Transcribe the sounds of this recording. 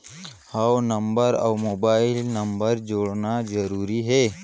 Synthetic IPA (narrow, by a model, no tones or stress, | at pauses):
hawnɐmbəɾa̰wmoːbaːɪlnɐmbəɾd͡ʒoːɽnazɐɾuːɾiɦɛː